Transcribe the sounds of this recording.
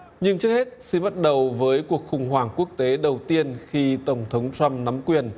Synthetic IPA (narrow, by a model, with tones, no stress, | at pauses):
ɲɨ˧ŋt͡ɕɨ˦ək̚he˦˥t̚si˧nɓa˦˥t̚ɗə˨˩wvəː˨˦jku˨˩ək̚xʊ˨˩ŋ͡mɦwaː˧˩ŋku˦˥ək̚t̪e˨˦ɗə˨˩wt̪i˧ənxi˧t̪ə˧˩wŋ͡mt̪ʰə˨˦wŋ͡mt͡ɕa˧mna˨˦mkwi˨˩ən